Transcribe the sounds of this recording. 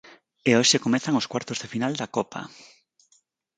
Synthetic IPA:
eoʃekomɛθaŋʊskwaɾt̪ozðefinald̪ɐkɔpʰa̰

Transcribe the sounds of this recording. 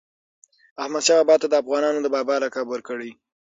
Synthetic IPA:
ahmad̪ʃɑabɑt̪ːad̪əafɣɑnɑnod̪əbɑbɑlɑkɑbwəɾkəɽe

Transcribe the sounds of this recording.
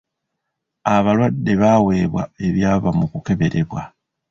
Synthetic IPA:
aβalwadːe̞βawe̞ːβwa̰e̞βjaːβamukuke̞βe̞ɾe̞βwa

